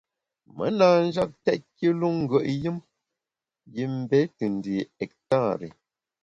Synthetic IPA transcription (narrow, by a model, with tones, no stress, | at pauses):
mə̰˨˦naː˨n̩˦d͡ʒa˦k̚tɛ˦t̚ki˦lu˦ŋ̩˦ɡə˨ʔjɨ˦m | ji˨m̩˨bɛ˦tɨ˨n˨di˨ɛ˨k̚ta˦˨ɾḛ˨